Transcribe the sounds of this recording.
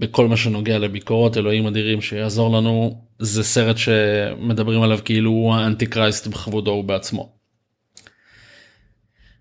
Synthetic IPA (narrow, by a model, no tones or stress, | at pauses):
beko̞lmaʃe̞no̞ɡeale̞biko̞ʁo̞te̞lo̞imadiʁimʃejaːzo̞ʁlanuzese̞ʁe̞tʃe̞me̞dabʁimalavkiiluaantikʁajstbeχavudo̞ubeat͡smo̞̰